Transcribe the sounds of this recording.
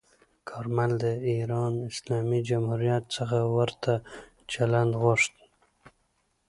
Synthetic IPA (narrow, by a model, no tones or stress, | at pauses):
kʰɑɾmanld̪d̪əiɾɑnɪslɑmid͡ʒamhuɾijat̪səxawaɾt̪ʰa | t͡ʃaland̪ɣoʂt̪